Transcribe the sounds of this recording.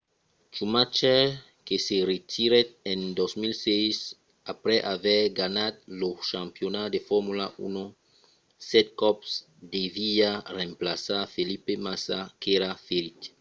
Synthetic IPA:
t͡ʃumat͡ʃe | keseret̪ʰiɾet̪̚ẽnd̪ozmilsejs | apɾɛʔavɛɾɡanad̪loʃãmpjonad̪efɔɾmulaʔṵno | sɛt̪̚kɔps | d̪eviarẽmplasaɾfelipemasakeɾafeɾit̪

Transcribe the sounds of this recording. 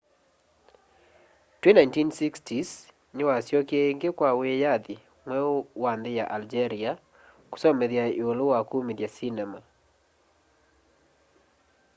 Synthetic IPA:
twenajntinsikstʰis | nɪwasjɔkeŋɡekwawejad̪ɪ | ŋwɛwand̪ɪjaʔald͡ʒeɾia | ku̥sɔmɛðjaiolowakumidjasinɛma

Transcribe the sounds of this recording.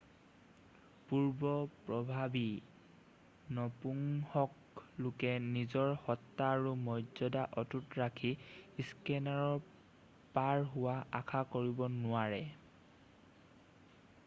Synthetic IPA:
puɹbɔpɹɔbʱabi | nɔpuŋhɔk | lʊkɛnizɔɹhɔtːaːɹumɔjzɔdaʔɔtutɹakʰiskɛnaɹɔ | paɹɦʊwaakʰakoɹibɔnʊaɹɛ

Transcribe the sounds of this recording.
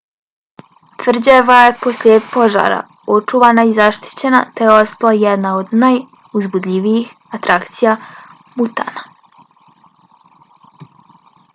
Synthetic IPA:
t̪ʋr̩d͡ʑeʋajepo̞slʎʲepo̞ʒa̰ːɾa̰ | o̞t͡ʂuʋaːnaizaʃt̪i̥t͡ɕe̞na̰t̪e̞jeo̞st̪alajed̪nao̞d̪naj | uzbud̪ʎʲiʋijix | at̪ɾʔakt̪sija | but̪a̰ːna

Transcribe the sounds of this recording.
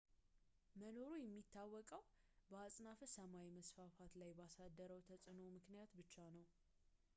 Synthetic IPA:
məno̞ɾujɛmːit̪ʰːawːɔkʼəwbəasʼnafəsəmawiməsfafat̪lajbasad̪ːəɾəwt̪ʰəsʼɨno̞mɨknijat̪bɨt͡ʃːanəw

